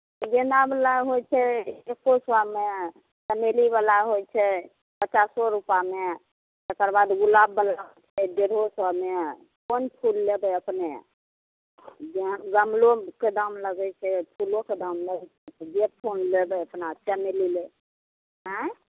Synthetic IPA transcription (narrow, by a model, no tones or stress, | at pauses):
d͡ʒenablaɦojt͡ʃʰɛːkoswame | səmelibəlaɦojt͡ʃʰɛ | pət͡ʃasɔɾupame | t̪əkəɾbad̪ɡulabːəlaɦt͡ʃʰɛd̪eɾɦoswame | konpʰulːebəəpne | d͡ʒeɡəmloked̪amləɡɛt͡ʃʰɛpʰuloked̪amləɡt͡ʃʰɛd͡ʒeppʰonlebəəpnat͡ʃəmelile | ɦɛ̃